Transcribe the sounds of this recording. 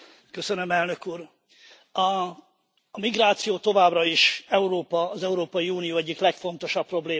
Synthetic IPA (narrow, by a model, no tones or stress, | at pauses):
kø̞sønømɛlnø̞kuːr | ɒː | miɡraːt̪sijoːt̪o̞vaːbrɒiʃɛuɾoːpɒːzɛuɾoːpɒjiuːnijoːɛɟːiklɛkfo̞n̪t̪o̞ʃɒpːro̞bleː